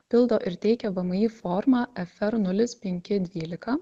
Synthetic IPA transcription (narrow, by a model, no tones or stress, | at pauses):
pʲɪlˠd̪oːʔɪɾt̪ʲɛɪkʲɛʋɐmɐjiːfɔːɾmɑːʔɛfʲɛɾnʊlʲɪspʲɛŋʲkʲɪd̪ʲʋʲiːlʲɪkɐ